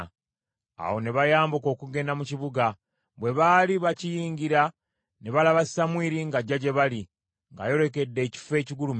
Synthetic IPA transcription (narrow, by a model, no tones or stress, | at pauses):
a̰wo̞ne̞βajaːmbuko̞ːkuɡe̞ːndamuciβuɡa | βwe̞βaːliβacijiːɲɡiɾa | ne̞βalaβasi̥samwiːɾiŋɡaɟːaɟe̞βali | ŋɡa̰jo̞ɾe̞ke̞dːe̞ːci̥fe̞ːciɡulum